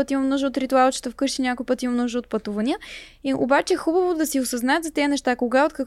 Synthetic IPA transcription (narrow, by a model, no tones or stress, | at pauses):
ɤt̪imɐmnɔʒɛot̪ɾit̪ualˠt͡ʃɛ̥t̪ofkɤʃinʲakojpɤt̪imɐmnɔʒoːt̪̚pɐt̪uvɐniə | io̰bat͡ʃɛxubəvod̪ɐsiosɐznaɛət̪zɐt̪ɛənɛʃt̪akoɡaot̪kək